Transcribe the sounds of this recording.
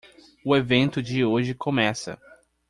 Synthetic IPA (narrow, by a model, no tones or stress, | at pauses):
ʊevẽnt̪ʊd͡ʒɪoʒɪkʰõmɛsɐ̰